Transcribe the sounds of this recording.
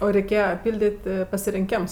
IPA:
ˈoː rʲɛɪˈkʲeːjɛ ˈpʲɪlʲdʲɪtʲ pɐsʲɪrʲɪŋʲˈkʲɛms

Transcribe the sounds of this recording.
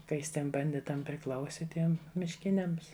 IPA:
kɐ ˈjɪs ˈtʲiɛm bɐnʲˈdʲɪtɐm pʲrʲɪˈklˠɐʊsʲɪ ˈtʲiɛm mʲɪʃʲˈkʲɪnʲɛms

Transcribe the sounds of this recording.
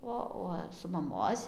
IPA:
ˈoː uɔ sʊ mɐˈmoːsʲ

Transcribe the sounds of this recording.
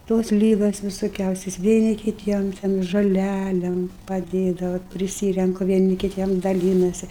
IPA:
ˈtoːs ˈlʲiːɡoːs ʋʲɪsoːˈkʲɛʊsʲoːs ʋʲiɛˈnʲɪ kʲɪˈtʲiɛm tʲɛn ʒoːˈlʲælʲeːm pɐˈdʲeːdɐʋɐ ʋɐt pʲrʲɪˈsʲiːrʲɛŋkʊ ʋʲiɛˈnʲɪ kʲɪˈtʲiɛm dɐˈlʲiːnɐsʲɪ

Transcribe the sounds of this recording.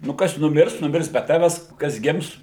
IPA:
nʊ ˈkɐs nʊˈmʲɪrs nʊˈmʲɪrs bʲɛ ˈtɑːʋʲɛs kɐs ˈɡʲɪms

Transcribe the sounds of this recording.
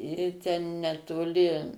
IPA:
ˈiː tʲɛn nʲɛtoːˈlʲɪ

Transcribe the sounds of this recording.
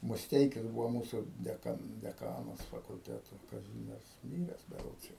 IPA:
mʊsʲˈtʲɛɪkʲɪs ˈbuːʋoː ˈmuːsʊ dʲɛˈkɐ dʲɛˈkɑːnɐs fɐkʊlʲˈtʲæːtoː kɐˈzʲiːmʲiɛrs ˈmʲiːrʲɛs bʲɛˈroːts jɛʊ

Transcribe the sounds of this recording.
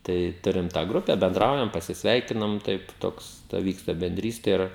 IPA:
ˈtɐɪ ˈtʊrʲɪm tɑː ˈɡrʊpʲɛ bʲɛnˈdrɐʊjɛm pɐsʲɪsʲˈʋʲɛɪkʲɪnɐm ˈtɐɪp ˈtoːks tɐ ˈʋʲiːkstɐ bʲɛnʲˈdʲrʲiːsʲtʲɛ ˈɪr

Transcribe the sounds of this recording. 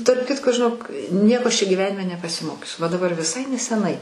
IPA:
tɐrp ˈkʲɪtkoː ʒʲɪˈnoːk ˈnʲiɛkoː ˈɐʃ t͡ʃʲɛ ɡʲiːˈʋʲæːnʲɪmʲɛ nʲɛpɐsʲɪˈmoːkʲʊs ʋɐ dɐˈbɐr ʋʲɪˈsɐɪ nʲɛsʲɛˈnɐɪ

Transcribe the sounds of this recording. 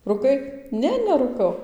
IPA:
rʊˈkɐɪ ˈnʲɛ nʲɛruːˈkɐʊ

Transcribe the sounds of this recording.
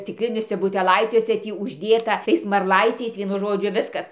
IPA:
sʲtʲɪkˈlʲɪnʲuɔsʲɛ bʊtʲɛˈlˠɐɪt͡sʲuɔsʲɛ ˈtʲiː ʊʒʲˈdʲeːtɐ ˈtɐɪs mɐrˈlˠɐɪt͡sʲɛɪs ʋʲiɛˈnʊ ˈʒoːd͡ʒʲʊ ˈʋʲɪskɐs

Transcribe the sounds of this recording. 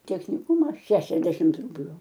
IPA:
tʲɛxʲnʲɪˈkʊmɐ ˈʃʲæːʃʲɛzʲdʲɛʃʲɪmt ˈrʊbʲlʲʊ

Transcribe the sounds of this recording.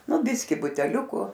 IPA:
ˈnʊ ˈbʲɪsʲkʲiː bʊtʲɛˈlʲʊkʊ

